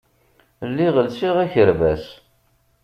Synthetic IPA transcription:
lːiʁəlsiʁæçəɾvæs

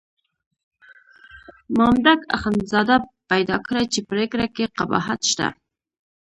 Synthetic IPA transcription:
mɑmd̪aka̰xanzɑd̪apajd̪ɑkɽat͡ʃepəɾekɾakeqaba̰ɦat̪ʃt̪a̰

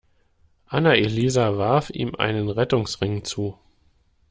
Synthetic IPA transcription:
ʔanaeliːzavaɐfʔḭːmʔa̰ɪnənʁɛtʊŋsʁɪŋt͡suː

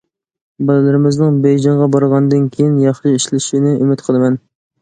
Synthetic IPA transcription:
bɑlˠɨlˠɨɾɪmɪznɪŋbejd͡ʒɑɴʁɑbɑɾʁɑnd̪ɨnkʲʰejinjɑχʃiiʃlɪʃinɪʔymɪt̪qʰəlˠɨmɛn

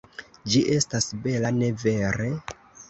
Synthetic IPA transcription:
d͡ʒiʔe̞stasbe̞lane̞ve̞ɾe̞

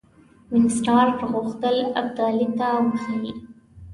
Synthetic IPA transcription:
mɪnsʈɑɾʈɣuxt̪əlab̚d̪ɑlit̪awəkʰi

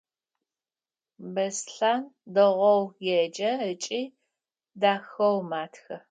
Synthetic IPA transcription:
bɐsɬaːndɐʁʷɔwjɛd͡ʒɐət͡ʃʼiː | daːxɐwmaːtʰxɐ

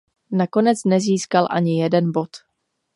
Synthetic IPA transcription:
nako̞nɛt͡snɛziːskalʔa̰ɲɪjɛdɛnbo̞t̪

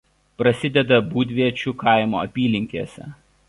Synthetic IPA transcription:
pɾɐsʲɪd̪ʲɛd̪ɐbuːd̪ʲʋʲiɛt͡ʃʲʊkʰɐˑɪmo̰ːɐ̰pʲiːlʲɪŋʲkʲiːsʲɛ̰

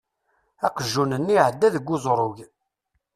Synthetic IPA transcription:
æqəʒːunənːiʕəd̪ːæðəɡːʊzˤɾˤʊʝ

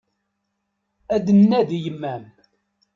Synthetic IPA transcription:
æd̪ənːæðjəmːæm

